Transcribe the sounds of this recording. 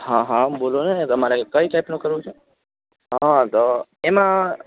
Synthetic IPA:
ɦãɦãbolonet̪əmaɾekəiʈajpnũkəɾʋũt͡ʃʰe | ɦãt̪oemã

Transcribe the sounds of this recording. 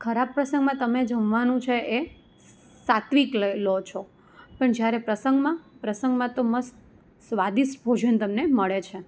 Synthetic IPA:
kʰəɾab̚pːɾəsə̃ŋɡmãt̪əmed͡ʒəʋʋanũt͡ʃʰeʔe | sat̪ʋikllot͡ʃʰo | pəɳd͡ʒjaɾepɾəsəŋɡmãpɾəsəŋɡmãt̪oməst̪ | sʋad̪isbʱod͡ʒənt̪əmneməɭet͡ʃʰe

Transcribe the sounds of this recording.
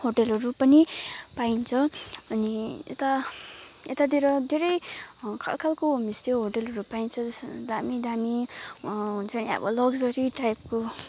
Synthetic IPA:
hoʈelʌɾupʌnipaint͡sʰʌʌniḛt̪a | et̪ad̪ʱiɾʌd̪ʱeɾʌjkʰa̰lkʰalkomist̪oɦoʈelɦʌɾupaint͡sʰʌd͡zʌsd̪amid̪ami | ɦunt͡sʰʌniʌ̰bʌ̰lʌɡd͡zʌɾiʈajp̚ko

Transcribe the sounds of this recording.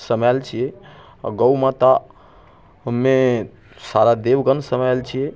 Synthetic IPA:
səmalt͡ʃʰiɛ̰ | ɡəwmat̪a | ɦəmːe | saɾad̪eʋɡənsəmalt͡ʃʰijɛ

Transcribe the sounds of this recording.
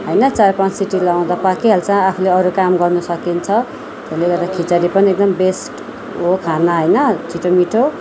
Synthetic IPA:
ɦʌjnʌt͡sarpansiʈilaw̃d̪apakiɦelt͡sãapʰuleʌɾukamɡʌrnusʌkint͡sʰʌ | t̪eleɡʌrd̪akʰit͡saɾipʌniek̚d̪ʌmbesʈ | ɦokʰanaɦʌjnʌt͡siʈʰomiʈʰo

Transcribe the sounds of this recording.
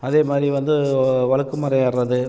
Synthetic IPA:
ɐðeːmaːd̪ɾiʋɐnd̪ɯʋɐɭɐkːɯmɐɾɐjaːɾːɐðɯ

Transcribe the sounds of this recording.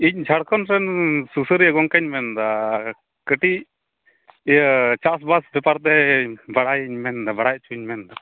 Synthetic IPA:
iɲd͡ʒʱaɽkʰɔnɾɛnsusəɾjaɡɔŋkəɲmɛnd̪a | kəʈi | t͡ʃas̬basbɛpaɾt̪ɛbaɽajiɲmɛnd̪abaɽaj̚t͡ʃʰuiɲmɛnd̪a

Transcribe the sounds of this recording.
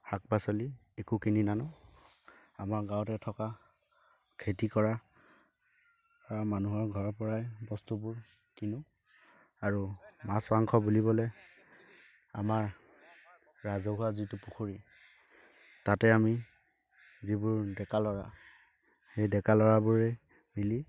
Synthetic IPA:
hak̚basɔli | ekukininanʊ | amaɹɡãwɔtɛtʰɔka | kʰetikɔɹa | amanuɦɔɹɡʱɔɹpɔɹajbɔstubʊɹ | kinʊ | aɹumaswaŋkʰɔbulibɔlɛ | amaɹ | ɹazɔɦuazitʊpuxuɹi | tatɛami | zibʊɹdɛkalɔɹa | hejdɛkalɔɹabʊɹɛ | mili

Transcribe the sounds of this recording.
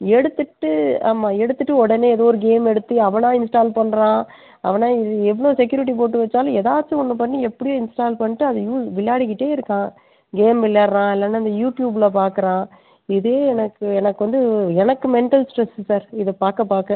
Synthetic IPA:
ɛɽɯt̪ːɯʈːɯa̰ːmaːɛɽɯt̪ːɯʈːɯɔɽɐneːɛðoːɾɯɡeːmɛɽɯt̪ːɯɐʋɐnãːɪnsʈaːlpɐɳːɾãː | ɐ̰ʋɐnãːɪɛʋɐɭoːsɛk̬ːjuːɾɪʈ̬ːip̬oːʈːɯʋɐt͡ʃːaːlɐɛðaːt͡ʃːɯɔnːɐpɐnːiɛpːɐɽɪjõːɪnsʈaːlpɐɳːɪʈːɯɐðɐjuːsʋɪɭjaːɽɪkːɪʈːeːɪɾɯkːãː | ɡeːmʋɪɭjaːɾɾãːɪlːɐnːɐɐnd̪ɐjuːʈjuːbɪlɐpaːɾkɯɾãː | ɪðeːɛnɐkːɯɛnɐkːɯʋɐnd̪ɯɛnɐkːɯmɛɳʈɐlsʈɾɛssaːɾɪðɐpaːɾkɐpaːɾkɐ̃

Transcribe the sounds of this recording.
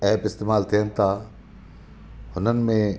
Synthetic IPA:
ɛːpɪst̪eːmaːlt̪ʰijənɪ̆t̪ʰaː | hʊnənɪ̆mẽ

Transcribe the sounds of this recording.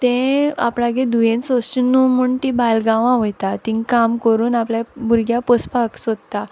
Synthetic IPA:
t̪ẽa̰pɽãɡẽd̪ujẽnsost͡ɕunːumuɳt̪ibajlɡãʋãɦojt̪at̪iŋkamkəɾuːnapljabuɾɡjapəspaksod̪t̪a

